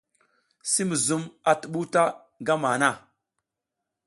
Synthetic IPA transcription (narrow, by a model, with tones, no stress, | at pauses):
si˦mə˨zu˦ma˨tə˨ɓu˦ta˦ | ŋɡa˦ma˨na˦˨